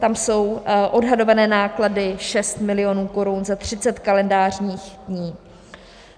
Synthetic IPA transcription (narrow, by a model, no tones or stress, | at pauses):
t̪amso̞wʔo̞dɦado̞vanɛːnaːkladɪʃɛst̪mɪlɪonuːko̞ɾunzat̪r̝̥ɪt͡sɛt̪kalɛndaːr̝ɲiːxdɲiː